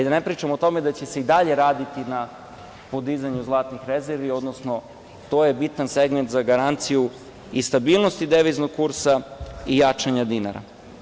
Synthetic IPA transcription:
id̪anepɾiːt͡ʃamot̪o̞me̞d̪at͡ɕe̞se̞id̪aʎe̞ɾaːd̪it̪ina | po̞d̪izaɲuzlˠaːt̪nixɾezeɾʋio̞d̪nosno̞ | t̪oːjebit̪anseɡment̪zaɡaɾant̪siju | ist̪abiːlˠno̞st̪id̪eʋiznoɡkuɾsaijat͡ʂaɲad̪ina̰ɾa̰

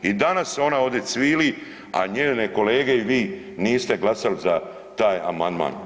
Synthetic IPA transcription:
id̪anaso̞nao̞d̪esʋiːli | a̰ɲeːneko̞leːɡe̞iʋiː | niːst̪e̞ɡlˠasaliza | t̪aːja̰mand̪ma̰ːn

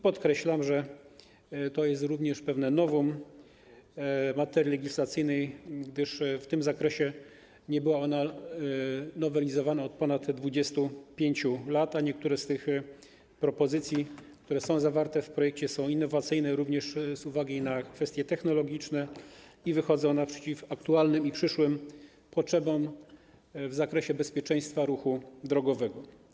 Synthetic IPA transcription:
pɔt̪kɾɛɕlamʐɛ | t̪ɔjɛst̪ɾuvɲɛʂpɛvnɛnɔvɔm | mat̪ɛɾʲilɛɡʲislat̪sɘjnɛjɡd̪ɘʂft̪ɘmzakɾɛɕɛ | ɲɛbɘwaɔna | nɔvɛlʲizɔvanaɔt̪̚pɔnat̪d̪vud͡ʑɛst̪upʲjeɲt͡ɕulat̪aɲɛk̚t̪uɾɛst̪ɘx | pɾɔpɔzɘt̪sʲjik̚t̪uɾɛsɔ̃w̃zavaɾt̪ɛfpɾɔjɛk̚t͡ɕɛsɔ̃w̃inːɔvat̪sɘjnɛɾuvɲɛʂzuvaɡʲinakfɛst̪ʲjɛt̪ɛxnɔlɔɡʲit͡ʂnɛivɘxɔd̪zɛɔnapʂɛt͡ɕifakt̪ualnɘmipʂɘʂwɘm | pɔtʂɛbɔm | vzakɾɛɕɛbɛspʲjɛt͡ʂɛ̃j̃st̪faɾuxud̪ɾɔɡɔvɛɡɔ

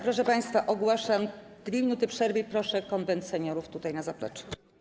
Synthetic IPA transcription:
pɾɔʂɛpaj̃st̪faʔɔɡwaʂam | d̪̥vʲemʲinut̪ɘpʂɛɾvɘipɾɔʂɛkɔnvɛnt̪sɛɲɔɾuft̪ut̪ajnazaplɛ̰t͡ʂɛ̥

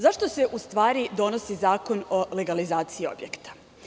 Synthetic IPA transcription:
zaʃt̪o̞se̞ʔust̪ʋaːɾid̪o̞no̞sizaːko̞no̞le̞ɡalizaːt̪siio̞̰bjekt̪ḁ

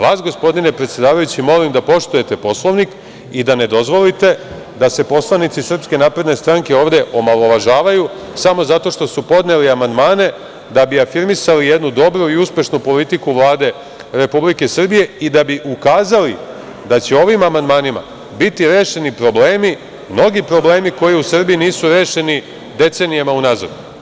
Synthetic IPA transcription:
ʋaːsɡo̞spo̞d̪inepɾet̪sje̞d̪aːʋajut͡ɕimo̞limd̪apo̞ʃt̪uje̞t̪e̞po̞slˠo̞ʋnik | id̪ane̞d̪o̞zʋo̞lit̪e̞ | d̪ase̞po̞slˠanit̪sisr̩pske̞naːpɾe̞d̪ne̞st̪ɾaŋkeo̞ːʋd̪eʔo̞malo̞ʋaʒaːʋaju | samo̞zat̪o̞ʃt̪o̞supo̞d̪ne̞liamand̪maːne̞ | d̪abiafiɾmisalijed̪nud̪o̞bɾuiuspʲje̞ʃnupo̞lit̪ikuʋlˠaːd̪e̞ | ɾe̞publike̞sr̩bije̞id̪abiʔukaːzali | d̪at͡ɕe̞o̞ʋimamand̪maːnima̰ | bit̪iɾe̞ːʃe̞nipɾo̞ble̞ːmi | mno̞ɡipɾo̞ble̞ːmiko̞jiusr̩biiniːsuɾeːʃe̞ni | d̪e̞t̪se̞nijamaunaːza̰d̪u

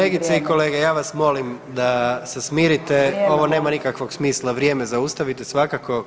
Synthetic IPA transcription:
eɡit̪seiko̞le̞ɡejaːʋasmo̞limd̪asesmiːɾit̪eo̞ʋo̞ne̞ːmanikakʋo̞ɡsmiːslˠaʋɾje̞ːmezaust̪aʋit̪esʋakako

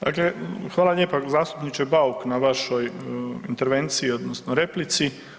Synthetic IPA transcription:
d̪a̰klexʋaːlˠaʎeːpazaːst̪u̥pnit͡ʃebauknaʋaʃo̞jint̪eɾʋe̞nt̪siːo̞d̪nosnoɾe̞plit̪si

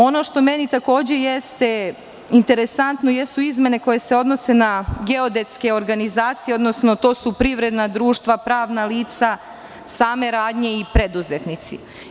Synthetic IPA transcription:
o̞no̞ʃt̪o̞me̞nit̪ako̞ːd͡ʑe̞jest̪e̞ | int̪e̞ɾesant̪no̞jest̪uizme̞ne̞ko̞je̞se̞o̞d̪no̞se̞naɡe̞od̪e̞t̪ske̞o̞ɾɡanizaːt̪sijeo̞d̪no̞sno̞t̪o̞ːsupɾiʋɾe̞d̪nad̪ɾuːʃt̪ʋapɾaːʋnaliːt̪sa | saːme̞ɾaːd̪ɲe̞ipɾe̞d̪uzet̪nit̪sḭ

